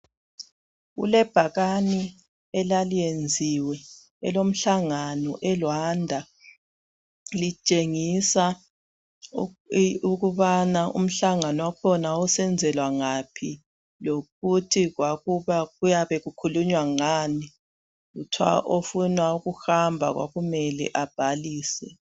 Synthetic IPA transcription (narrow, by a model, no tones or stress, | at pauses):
ɣṵlɛb̥ʱaɣani | ɛlalijend͡zʱiwɛ | ɛ̰lom̩ɬaŋanɔʔɛlwandʱa | lit͡ʃʼeŋisa | uɣuβanaṵm̩ɬaŋanɔwakʰɔnausɛnd͡zʱɛlwaŋapʰi | loɣutʰiɣwaɣuβaɣujaβɛɣukʰuluɲwaŋani | ɣutʰwa̰ʔofunauɣuxambʱa̰ɣwa̰ɣumɛlɛ̰ʔab̥ʱaliːsɛ̰